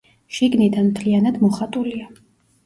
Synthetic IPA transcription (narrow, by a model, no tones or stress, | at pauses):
ʃiɡnid̪anmt̪ʰlianad̪mɔχat̪ʼulia